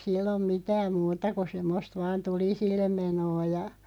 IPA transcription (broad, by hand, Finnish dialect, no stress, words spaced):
silːom mitæːm muːtɑ ku semːost ʋɑːn tulisilːem menoː jɑ